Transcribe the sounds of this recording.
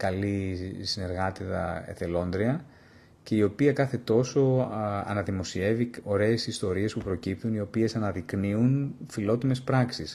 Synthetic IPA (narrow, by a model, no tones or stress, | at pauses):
kɐlisine̞ɾɣɐt̪iðɐe̞̰θe̞lo̞nd̪ɾiɐ | ce̞io̞piɐkɐθe̞t̪o̞so̞ɐ̰nɐðimo̞sie̞vio̞ɾe̞ːsist̪o̞ɾie̞spupɾo̞cipt̪unio̞pie̞sɐnɐðikniunfilo̞t̪ime̞spɾɐksis